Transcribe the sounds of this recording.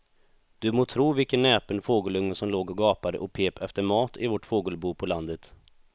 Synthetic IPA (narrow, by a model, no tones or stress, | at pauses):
d̪̥ɵmoːt̪ʰɾuːvɪlkənːɛːpənfoːɡəlɵŋnəsɔmloːɡɔɡɑːpad̪ə̰ʔɔpʰeːpɛft̪əɾmɑːt̪ɪvɔʈfoːɡəlbuːpʰɔland̪ət̪